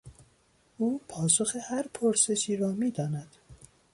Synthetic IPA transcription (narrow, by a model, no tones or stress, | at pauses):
ʔuːpʰɒːsoxehæɾpʰoɾse̞ʃiːɾɒːmiːd̪ɒːnæd̪̥